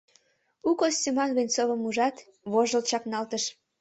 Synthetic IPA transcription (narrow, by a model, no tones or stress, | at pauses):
ukosʲtemɑnβenʲt͡soβəmuʒɑt̪ | βoʒəlt͡ɕɑknɑlt̪əʃ